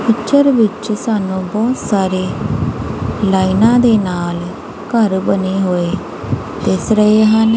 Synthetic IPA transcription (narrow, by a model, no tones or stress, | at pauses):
pɪkt͡ʃəɾʋɪt͡ʃsaːnũːbɔːt̪saːɾeː | laːinãːd̪eːnaːl | kəɾbəneːɦoːeː | t̪eːsɾəeːɦən